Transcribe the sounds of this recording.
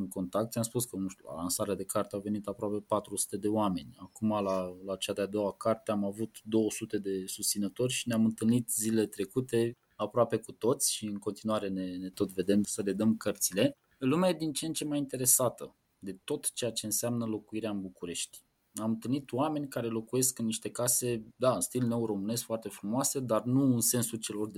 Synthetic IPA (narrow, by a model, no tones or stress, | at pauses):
nko̞nt̪akt̪ʃamspuskənuʃt̪ʲula̰lansaɾead̪e̞kʰart̪eawve̞nit̪apɾoape̞pat̪ɾusu̥t̪e̞d̪e̞oame̞nʲakumalalat͡ʃad̪ead̪o̞wakart̪eamavut̪d̪o̞wəsut̪e̞d̪e̞sust̪sinət̪o̞rʲʃineamɨnt̪ɨlnit̪zilelet̪ɾe̞kut̪e̞ | apɾoape̞kut̪o̞t̪sʲʃiɨŋko̞nt̪inuaɾe̞ne̞ne̞t̪o̞t̪ve̞d̪e̞msəle̞d̪əmkərt̪sile̞ | ɨlumeajed̪int͡ʃent͡ʃe̞majint̪e̞ɾe̞sat̪ə | d̪e̞t̪o̞t̪t͡ʃejat͡ʃe̞ɨnseamnəlo̞kuiɾeaɨnbukuɾe̞ʃt̪ʲ | namɨnt̪ɨlnit̪oame̞nʲkaɾe̞lo̞kuje̞skɨnːiʃt̪e̞kase̞d̪aɨnst̪ilne̞wro̞mɨne̞sfoart̪e̞fɾumoase̞d̪arnuɨnse̞nsut͡ʃe̞lo̞r